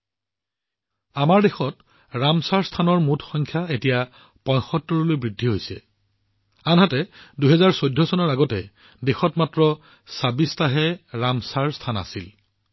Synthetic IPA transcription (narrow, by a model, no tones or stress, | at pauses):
amaɹdexɔt | ɹamsaɹstʰanɔɹmutʰxɔŋkʰjaetija | pɔjxɔtːɔɹɔlojbɹidʱːiɦojsɛ̰ | anɦatɛduɦɛzaɹsojdʱːɔsɔnɔɹaɡɔtɛ | dexɔtmatɹɔ | sabistaɦɛɹamsaɹstʰana̰sil